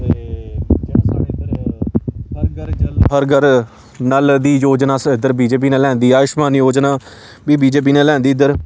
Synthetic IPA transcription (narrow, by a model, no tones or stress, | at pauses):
d͡ʒãːsaːɽeːd̪əɾ | həɾɡəɾd͡ʒlɦəɾɡəɾ | naːld̪iːjoːd͡ʒnaːsɪd̪əɾbiːd͡ʒeːp̬iːnaːlɛ̃ːnd̪iːaːɪʃmaːnjoːd͡ʒnaː | biːbiːd͡ʒeːp̬iːnaːlɛ̃ːnd̪iːɪd̪əɾ